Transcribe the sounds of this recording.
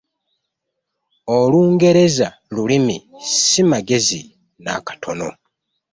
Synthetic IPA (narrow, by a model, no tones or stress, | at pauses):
oluːŋɡe̞ɾe̞za | lulimisimaɡe̞zi | na̰kḁtʰo̞no̞̰